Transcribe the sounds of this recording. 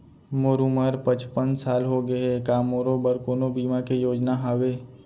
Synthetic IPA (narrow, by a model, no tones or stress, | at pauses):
moːɾuməɾpə̃t͡ʃpənsaːlɦoɡəekaːmoːɾobəɾkoːnobiːmakejoːd͡ʒnaɦaːweː